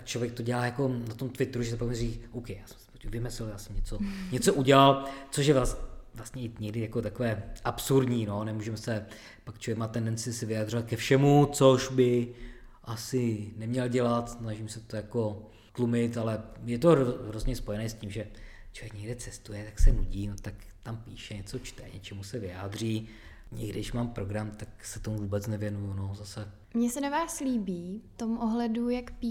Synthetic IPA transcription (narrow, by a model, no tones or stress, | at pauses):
t͡ʃlovjɛk̚t̪o̞ɟɛlaːjako̞nat̪omt̪vɪt̪ɾuʒɛsɛpakmɪɾikʔowkɛjaːsɛ̥msɪ̥pocɛvɪmɛsɛljaːsɛmɲɛt͡soɲɛt͡soʔuɟɛlalt͡soʃjɛvlasvlast̪ɲɛɪɲɛɡdɪjako̞t̪akovɛːʔapsuɾdɲiːno̞nɛmuːʒɛmsɛ | pakt͡ʃlovjɛkmaːt̪ɛndɛnt͡sɪsɪvɪjad̪r̝ovat̪̚kɛfʃɛmut͡soʃbɪ | ʔasɪnɛmɲɛlɟɛlat̪snaʒimsɛt̪ojako | t̪lumɪt̪alɛjɛt̪o̞ɦɾozɲɛspo̞jɛnɛːscimʒɛ | t͡ʃovjɛkɲɛɡdɛt͡sɛst̪ujɛt̪aksɛnuɟiːnot̪ak | t̪ampiːʃɛɲɛt͡so̞t͡ʃt̪ɛɲɛt͡ʃɛmusɛvɪjaːd̪r̝iː | ɲɛɡdɪʃmaːmpɾo̞ɡɾamt̪aksɛt̪o̞muvuːbɛt͡snɛvjɛnujunozasɛ | mɲɛsɛnavaːsliːbiːft̪omʔoɦlɛdujakpi